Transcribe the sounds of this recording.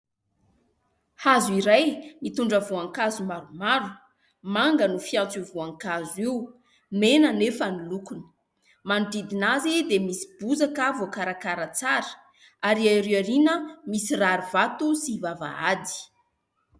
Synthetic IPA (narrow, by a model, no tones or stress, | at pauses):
hazuiɾajmit̪uɳɖ͡ʐəvuaŋkazumaɾumaɾu̥ | maŋɡənufiãnt͡sivuaŋkazuiu | menənefənilukunə̥ | manɖ͡ʐid̪inazed̪emisi̥buzakavokaɾakaɾət͡saɾə̥ | aɾiaiɾewaɾinəmisiraɾivat̪usivava̰a̰d̪i̥